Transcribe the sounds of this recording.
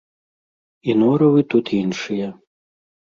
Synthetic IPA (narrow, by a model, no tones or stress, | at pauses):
inɔɾɔʋɪt̪ut̪ʰinʃɪjɛ